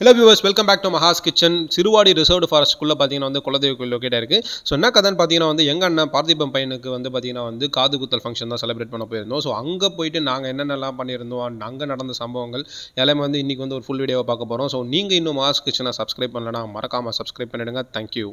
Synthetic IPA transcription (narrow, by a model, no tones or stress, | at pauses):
ɪlɐːʋiːʋɐɾsʋɛlkɐmbæːk̚ʈumɐɦaːskɪʈt͡ʃːɐnsɪɾɯʋaːɽiɾɪsɐʋʈfaːɾɐskʊɭːɐp̬aːɾt̪ĩŋɡnaːʋɐnd̪ɯkʊlɐnd̪ɐjɐkːɪloːkeːʈːaːɪɾɯkːɯsoːɛnːɐkɐðɐnpaːɾt̪ĩŋɡɐnːaːʋɐnd̪ɯɛŋɡɐnːɐpaːɾɐt̪ɪp̬ːɐmpɐjɐnɯkːɯʋɐnd̪ɯpaːɾt̪iːŋɡɐnaːʋɐnd̪ɯkaːðɯkʊt̪ːɐlfɐŋkʂɐ̃nt̪ãːsɛlɪbɾeːʈ̚pɐɳːɐpːoːjɪɾɯnd̪õːsoːɐŋɡepoːjɪʈːɯnaːŋɡɐɛnːɐnːɐlːãːpɐɳːɪɾɯnd̪ɐõːnɐŋɡɐnɐɽɐnd̪ɐsɐmbɐʋɐŋɡɐɭɛlːɐːmːʋɐnd̪ɯɪnːikːʋɐnd̪ɯɔɾɯfʊɭʋiːɽɪjɐːʋɐpaːɾkɐpːoːɾõːsoːniːŋɡɐɪnːɯ̃mɐɦaːskɪʈt͡ʃːɐnːãːsɐbskɾɐɪb̚pɐɳlɐnːaːmɐɾʔɐkːaːmɐsɐbskɾɐɪb̚pɐɳːɪɽɯŋɡɐt̪ʰaːŋkju